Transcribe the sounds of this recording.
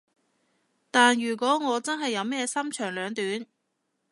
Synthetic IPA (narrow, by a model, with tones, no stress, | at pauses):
t̪aː˨njyː˨˩kʷɔː˨˥ŋɔː˨˧t͡sɐ˥nɦɐ˨jːɐ˨˧wmɛː˥sɐ˥mt͡ʃʰœː˨˩ŋlœː˨˧ŋt̪yː˨˥n